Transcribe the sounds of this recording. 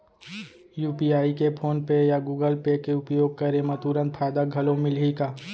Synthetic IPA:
juːpiaːikepʰoːnpejaɡuːɡəlpekeʊpjoːɡ̚kɐɾemãt̪uɾə̃nt̪fʰaːɪd̪aɡʱɐlõmɪlɦikaː

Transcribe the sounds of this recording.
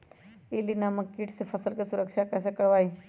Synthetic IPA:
elinaːməkːiːʈsefʰəsəlkesʊɾəkʃakɛːs̬ekəɽʋaːiː

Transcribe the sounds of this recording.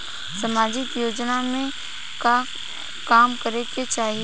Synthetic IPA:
səmaːd͡ʒɪkjoːd͡ʒnamẽ | ka | kaːmkəɾek̪et͡ʃaːɦi

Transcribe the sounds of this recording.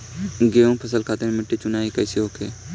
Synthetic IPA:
ɡeːõːpʰəsəlkʰaːt̪eɾmɪʈːet͡ʃʊnaːikəseɦoːkʰeː

